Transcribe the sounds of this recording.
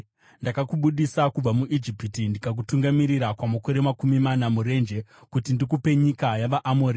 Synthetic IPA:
ndakakuɓuɗisakub͡vamuʔid͡ʒipitindikak̬utuŋɡamiɾiɾakwamako̞ɾe̞makumimanamuɾe̞nd͡ʒe̞kutindikupe̞ɲikajaʋaʔamoːɾi

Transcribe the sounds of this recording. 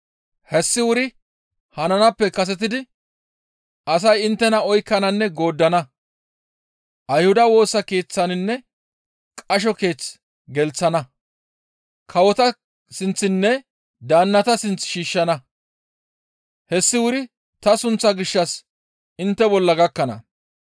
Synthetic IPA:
hɛsːɪwʊɾɪ | hɐnɐnɐpːɛkɐs̬ɛt̪̬ɪd̪ɪ | ɐs̬ɐjɪnt̪ːɛnɐɔjkːɐnɐnːɛɡo̞ːd̪ːɐnɐ | ʔɐjhʊd̪ɐwo̞ːsːɐke̞ːt͡sːɐnɪnːɛ | kʼɐʃ̬ɔke̞ːt͡s | ɡɛlt͡sːɐnɐ | kʰɐwɔt̪ɐ | sɪnt͡sːɪnːɛ | d̪aːnːɐt̪ɐsɪnt͡sːʃiːʃːɐnɐ | hɛsːɪwʊɾɪ | t̪ɐsʊnt͡sːɐɡɪʃːɐs | ɪnt̪ːɛbɔlːɐɡɐkːɐnɐ̰

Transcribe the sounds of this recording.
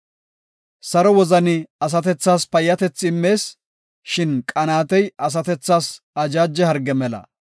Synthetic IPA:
sɐɾɔwɔzɐnɪɐs̬ɐt̪ɛt͡sːaːspɐjːɐt̪ɛt͡sːɪmːe̞ːs | ʃɪnkʼɐnaːt̪ɛjɐs̬ɐt̪ɛt͡sːaːs | ɐd͡ʒaːd͡ʒːɛhɐɾɡɛmɛlɐ̰

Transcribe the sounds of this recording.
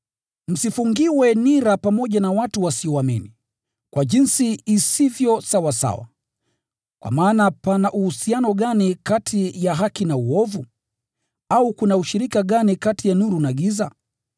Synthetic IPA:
m̩sifuŋɡiwɛniɾapamɔʄanawatuwasiɔwamini | kwaʄinsiːsivjɔsawasa̰wa̰ | kwa̰maːnapanaʔuhusianɔɠanikatʰijaɦakinauɔvu | aukunauʃiɾikaɠanikatijanuɾunaɠiza

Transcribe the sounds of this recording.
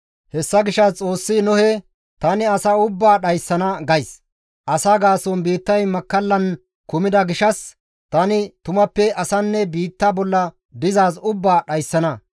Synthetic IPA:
hɛsːɐɡɪʃɐt͡sʼo̞ːsːɪnʊhɛ | t̪ɐnɪɐsɐʊbːaːɗɐjsːɐnɐɡɐjs | ʔɐsaɡaːsɔnbiːt̪ːɐjmɐkːɐlːɐn | kʊmɪd̪ɐɡɪʃɐs | t̪ɐnɪt̪ʊmɐpːɛʔɐsɐnːɛbiːt̪ːaːbɔlːɐ | d̪ɪzaːsʊbːaːɗɐjsːɐnɐ

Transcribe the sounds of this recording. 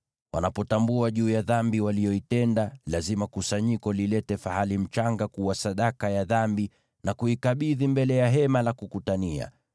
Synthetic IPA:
wa̰napɔtambuaʄuːjaðambiwalijɔitɛndalazimakusaɲikɔlilɛtɛfahalim̩t͡ʃaŋɡakuwasaɗakajaðambi | nakuikaɓiðimbɛlɛjaɦɛmalakukutania̰

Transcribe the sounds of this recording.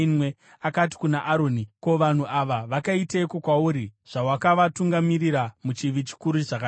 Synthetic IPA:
nwe | akat̬i̥kunaʔaɾoːnikoʋan̤uʔaʋaʋakaitekokwauɾiʐ̥awakaʋatuŋɡamiriɾamut͡ʃiʋit͡ʃi̥kuɾuʐaka

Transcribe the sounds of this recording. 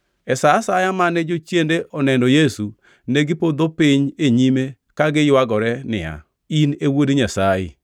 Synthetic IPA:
ɛsasajamanɛd͡ʒot͡ʃjendeʔɔnɛndɔjesu | nɛɡɪpod̪opɪɲeɲime | kaɡɪjwaɡɔɾɛnɪ̰a̰ | inewodɲasajɪ̰

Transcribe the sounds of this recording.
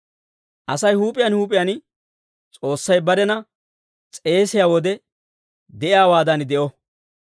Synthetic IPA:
ʔɐsɐjhuːpʼɪjɐnhuːpʼɪjɐn | t͡sʼo̞ːsːɐjbɐɾɛnɐ | t͡sʼe̞ːsɪjaːwɔd̪ɛ | d̪ɛʔɪjaːwaːd̪ɐnd̪ɛʔɔ

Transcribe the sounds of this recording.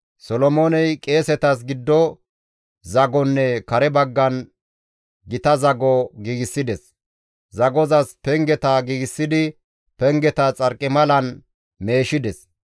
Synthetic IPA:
sɔlɔmoːnɛjkʼe̞ːsɛt̪ɐs̬ɡɪd̪ːɔ | zɐɡɔnːɛkɐɾɛbɐɡːɐn | ɡɪt̪ɐzɐɡɔɡiːɡɪsːɪd̪ɛs | zɐɡɔzɐspɛŋɡɛt̪ɐɡiːɡɪsːɪd̪ɪ | pɛŋɡɛt̪ɐt͡sʼɐɾkʼːɪmɐlɐn | me̞ːʃɪd̪ɛs

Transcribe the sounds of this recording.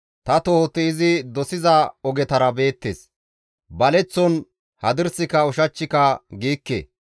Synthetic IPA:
t̪ɐt̪oːt̪ːɪɪzɪd̪ɔsɪzɐɔɡɛt̪ɐɾɐbe̞ːt̪ːḛs | bɐlɛt͡sːɔn | hɐd̪ɪɾsɪkɐɔʃɐt͡ʃːɪkɐɡiːkːḛ

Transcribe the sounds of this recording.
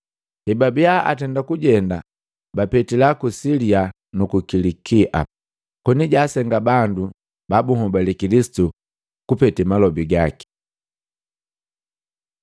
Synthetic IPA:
hɛbabiaa̰tɛndakuɟɛnda | bapɛtilakusilia | nukukilikiʔa̰ | kɔniɟaːsɛŋɡabandu | babuŋɔbalikilisi̥tu | kupɛtɛmalɔbiɡaki̥

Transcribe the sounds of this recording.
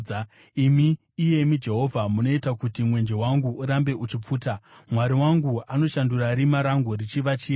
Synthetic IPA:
imiː | je̞mid͡ʒe̞ɦo̞vʱamuno̞itakutimwe̞nd͡ʒe̞waŋɡuuɾambe̞ʔut͡ʃip͡fuːtamwaɾiwaŋɡuano̞ʃanduraɾimaɾaŋɡurit͡ʃiʋat͡ʃiːa

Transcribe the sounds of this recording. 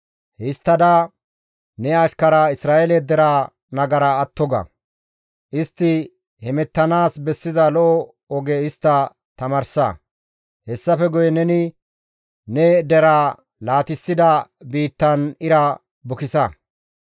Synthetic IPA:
hɪst̪ːɐd̪ɐ | nɛɐʃkɐɾaɪsɾaːʔɛlɛd̪ɛɾa | nɐɡɐɾɐːt̪ːɔɡɐ̰ | ʔɪst̪ːɪ | hɛmɛt̪ːɐnaːsbɛsːɪzɐlɔʔɔ | ɔɡɛɪst̪ːɐ | t̪ɐmɐɾsɐ̰ | hɛsːɐfɛɡʊjɛnɛnɪ | nɛd̪ɛɾaː | laːt̪ɪsːɪd̪ɐbiːt̪ːɐnɪɾɐ | bʊkɪsɐ̰

